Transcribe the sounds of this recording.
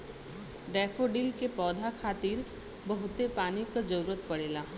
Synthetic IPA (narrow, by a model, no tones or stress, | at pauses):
d̪ɛːfoɖilkepɔːd̪ʱakʰaːt̪iːɾ | bɐɦʊt̪epaːnikad͡ʒɐɾuːɾət̪̚pɐɽeːlaː